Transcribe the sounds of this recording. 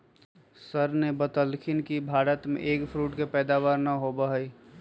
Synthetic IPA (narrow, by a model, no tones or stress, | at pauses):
səɾnebət̪əlkʰɪnkibʱaːɾət̪mḛ̃ʔeːkpʰɾuːʈkepɛːd̪aːwaːɾnəɦobəɦəi